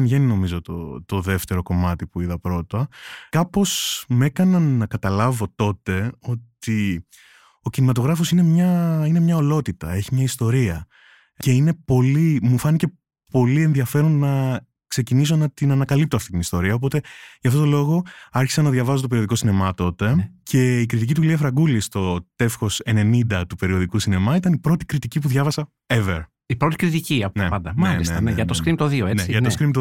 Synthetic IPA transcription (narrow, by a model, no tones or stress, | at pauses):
nʝe̞nino̞mizo̞t̪o̰t̪o̞ðe̞ft̪e̞ɾo̞ko̞mɐt̪ipuiðɐpɾo̞t̪ɐkɐpo̞sme̞kɐnɐnːɐkɐt̪ɐlɐvo̞t̪o̞t̪e̞o̞t̪i | o̞cinimɐt̪o̞ɣɾɐfo̞sine̞mɲɐine̞mɲɐo̞lo̞t̪it̪ɐ̰e̞çimɲɐist̪o̞ɾiɐ | ce̞ine̞po̞limufɐnice̞ | po̞lie̞nðiɐfe̞ɾo̞nːɐ | kse̞cinis̬o̞nɐt̪inɐnɐkɐlip̚t̪oɐft̪i̥t̪inist̪o̞ɾiɐop̬o̞t̪e̞ʝɐft̪ot̪o̞lo̞ɣo̞ɐɾçi̥sɐnɐðʝɐvɐsot̪opeɾioðiko̞sine̞mɐt̪o̞t̪e̞cʰe̞ikɾit̪icit̪uliɐfɾɐɡulist̪o̞t̪e̞fxo̞se̞ne̞nind̪ɐt̪upe̞ɾio̞ðikusine̞mɐit̪ɐnipɾo̞t̪i̥kɾit̪icipuðʝɐvɐsɐ | evḛɾ | ipɾot̪i̥kɾit̪iciɐnepɐnd̪ɐmɐliset̪ɐneʝɐt̪osskɾimt̪oðioeneʝɐokɾimpt̪o